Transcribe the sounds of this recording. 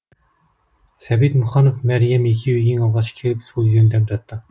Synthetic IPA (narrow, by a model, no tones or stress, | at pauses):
sɛbid̪muχɑnufmæɾjɛmjekʲʰiyjiŋɑlˠʁɑt͡ʃʰkʲʰelɪpsulˠjynd̪ɛp̚d̪ɑt̪ʰːɨ